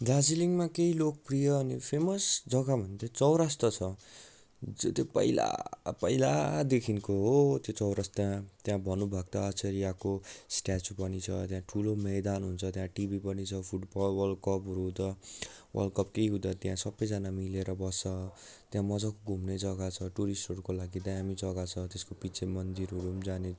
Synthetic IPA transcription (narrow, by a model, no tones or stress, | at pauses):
d̪ad͡ziliŋmakeilok̚prijʌːnipʰemʌsd͡zʌɡamʌnd̪et͡sʌwɾast̪ʌt͡sʰʌ | ot̪jopʌ̰ila̰pʌila̰d̪ekʰinkoɦot̪jot͡sʌwɾʌst̪ãt̪jãbʱʌnubʱʌɡ̚t̪ʌːt͡sʌɾijakosʈat͡supʌnit͡sʰʌ̰t̪jãʈʰulomejd̪anɦunt͡sʰʌt̪jãʈibipʌnit͡sʰʌpʰuʈbʌlwʌlkʌpɦuɾuɦũd̪ʌwʌ̰lkʌp̚keiɦud̪ʌt̪jãsʌbːʌjd͡zanamileɾʌbʌst͡sʌt̪jãmʌd͡zakoɡʱumnʌd͡zʌɡat͡sʰʌʈuɾisʈoɽkolaɡid̪ʌjamit͡sʌɡat͡sʰʌt̪eskopit͡sʰemʌnd͡ziɾɦuɾumd͡zane